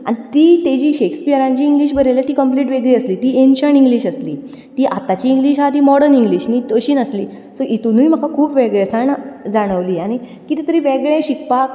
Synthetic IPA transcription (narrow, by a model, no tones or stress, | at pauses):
a̰ñit̪iːt̪ed͡ʑiːɕekspiəɾãɲt͡ɕiːŋɡliːɕ̬bʱəɾeljat̪iːkəmpliʈʋeɡɭiəsliːt̪iːenɕəniŋɡliɕəslḭː | t̪iːʔat̪at͡ɕiːŋɡliɕɦat̪iːmɔɽəniŋɡliːɕnit̪əɕiːnəsliː | səʔit̪unujm̤əkʰakʰuːpʋɛɡɭesaɳd͡zaɽ̃əʋliːaɽ̃i | kit̪iːt̪əɾiːʋɛɡɭẽɕikpak